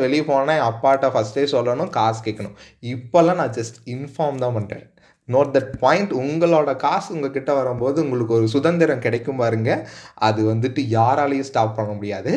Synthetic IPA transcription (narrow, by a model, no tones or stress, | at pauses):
ʋɛɭɪjpoːnẽɐpːaːʈːafɐsʈeːsɔlːɐnʊ̃kaːskeːkːɐɳʊ̃ɪpːoɐɛlːãːnãːd͡ʒɐsʈɪnfaːɾmd̪ãːpɐɳḛː | noːʈ̚d̪ɐʈpaːjɪɳʈʊŋɡɐɭoːɽɐkaːsʊŋɡɐkɪʈːɐʋɐɾɐmpoːðɯʊŋɡɐɭɯkːɯɔɾɯsʊðɐnd̪ɪɾɐ̃mkɪɽɐkːɯmpaɾɯŋɡɐɐðɯʋɐnd̪ɯʈːɯjaːɾaːlɐjẽsʈaːp̚pːɐɳːɐmʊɽɪjaːðɯ